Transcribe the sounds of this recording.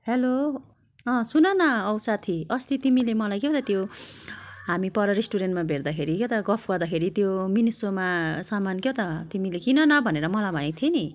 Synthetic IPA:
helo | ʌ̃sunʌnʌːwsat̪ʰiʌst̪it̪imilemʌlajkjet̪ʌt̪jo | ɦamipʌɾʌɾesʈuɾenʈmabʱeɾd̪akʰeɾikjewt̪ʌɡʌpʰɡʌɾd̪akʰeɾit̪jominisomasʌmankjet̪ʌt̪imilekinʌnʌbʱʌneɾʌmʌlabʱʌnãt̪ʰieni

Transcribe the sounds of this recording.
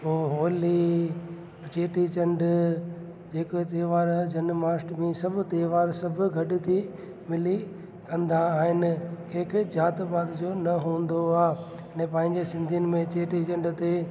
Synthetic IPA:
ũːɦoːli | t͡ɕeːʈit͡ɕɐ̃ɳɖ | d͡ʑeːkot̪eːʋaːɾd͡ʑɐnmaːsʈmẽsɐb̆ʱt̪eːʋaːɾsɐbʱʊ̆ɡʱɐɗɪ̆t̪ʰi | mɪli | kɐ̃nd̪aːɦɪnɪ̆kʰeːkʰɪd͡ʑaːt̪baːd̪d͡ʑoːnɐɦũːnd̪oaːɦ | ɐnɛ̃pɐ̃ɦɪ̃ɲd͡ʑesɪ̃nd̪ʱijənɪ̆mẽt͡ɕeːʈit͡ɕɐ̃ɳɖt̪e

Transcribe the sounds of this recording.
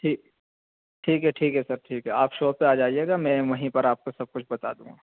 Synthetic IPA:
ʈʰiːk | ʈʰiːkɦɛʈʰiːkɦɛsɐɾʈʰiːkɦɛaːpʃoːpeaːd͡ʒaːieːɡamɛ̃ʋɐɦĩpɐɾaːp̚kosɐb̚kʊt͡ʃʰbɐt̪a̰ːd̪ṵ̃ːŋɡaː

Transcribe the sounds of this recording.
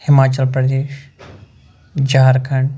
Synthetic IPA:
hɪmaːt͡ɕəlpɾɐd̪eːʃ | d͡ʑaːɾkʰɐɳ̃

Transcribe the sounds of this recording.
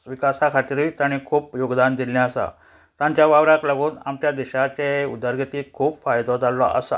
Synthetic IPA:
ʋikasakʰat̪iɾiːt̪aɽ̃ikʰuːpjoɡd̪and̪iljãəsa̰ | t̪ãɲt͡ɕjaʋaʋɾakləɡuːna̰mt͡ɕjad̪iɕat͡ɕeud̪əɾɡit̪iːkʰuːpfajd̪ɔd͡zalːɔʔə̰sa̰

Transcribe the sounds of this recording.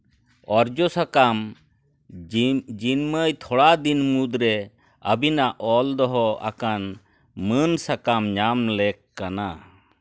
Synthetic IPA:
ɔɾd͡ʒɔsakam | d͡ʒinməjt̪ʰɔɽad̪inmud̪ɾɛ | əbinaʔɔld̪ɔɦɔa̰kan | mənsakamɲamlɛkːana

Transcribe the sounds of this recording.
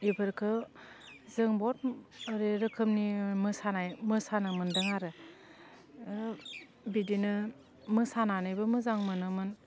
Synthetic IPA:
ibʰɯɾkʰɯ | zɯŋbɔt̚əɾeɾɯkʰɯmnimɯsanajmɯsanɯmɯndɯŋaɾɯ | bidinɯ | mɯsananɯjbɯmɯzaŋmɯnɯmɯn

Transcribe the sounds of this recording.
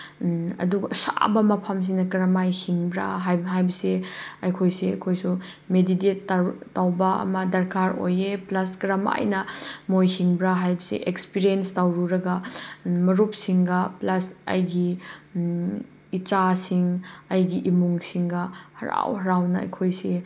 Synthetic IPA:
ɐ̰duɡɐsa̰bɐmɐpʰams̬iŋnɐkɐɾɐmajhiŋbɾa̰ɦajɦajbɐseɐjkʰojseɐ̰kʰojsu | medidet̚tawbɐɐ̰mɐdɐɾkʰaɾo̰jeplɐskɐɾɐma̰jnɐmojhiŋbɾaɦajbɐsḛʔekspiɾienstawɾuɾɐɡɐmɐɾup̚siŋɡɐplɐsɐ̰jɡi | it͡ʃasiŋɐjɡiʔimuŋsiŋɡɐhɐɾa̰whɐɾawnɐɐ̰jkʰojse

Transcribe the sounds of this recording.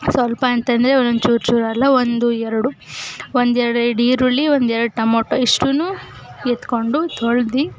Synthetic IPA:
sʋɐlpɐːnt̪ɐnd̪ɐɾeonnt͡ʃuːɾt͡ʃuːɾɐlːɐond̪uɛɾɐɽuond̪ɛɾɐɽɖiːɾuɭːiʋond̪ɛɾɐɽuʈɐmoːʈːoiʂʈunu | jet̪ko̞ɳɖut̪ʰoɭd̪i

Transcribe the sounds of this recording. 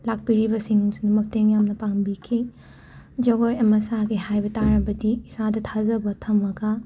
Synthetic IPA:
lak̚piɾibɐsiŋsunumɐp̚teŋjamnɐpaŋbikʰi | d͡ʒɐɡojɐmɐsaɡiɦajbɐtaɾɐbɐdiːsadɐtʰazɐbɐtʰɐmɐɡɐ

